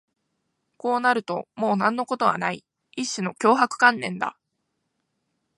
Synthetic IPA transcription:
ko̞ːnaɾɯ̟t̪o̞mo̞ːnãnːo̞ko̞t̪o̞βa̰nai | iɕːino̞kʲo̞ːɦakɯ̟̥kãnːẽ̞nd̪a̰

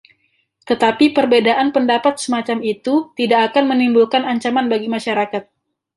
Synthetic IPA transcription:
t̪ət̪apipərbedaʔanpəndapat̪̚səmat͡ʃamit̪ut̪idakːkanmənimbulkanaɲt͡ʃamanbaɡimaʃaɾakat̪̚

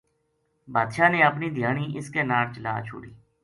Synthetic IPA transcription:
baːd̪ʃaːneːəpniːd̪ʱɪjaːɳiːʔɪskeːnaːɽt͡ʃəla̰ːt͡ʃʰʊ̰ːɽḭː

